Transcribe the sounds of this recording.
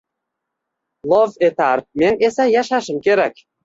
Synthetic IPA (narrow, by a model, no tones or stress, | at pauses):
lˠovet̪ɑrmʲenʲesæjɑʃɑʃə̆mkeɾæk̚ʲ